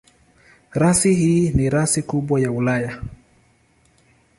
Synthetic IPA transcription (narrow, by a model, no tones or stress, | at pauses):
ɾasihiːniɾasikuɓwajaulaja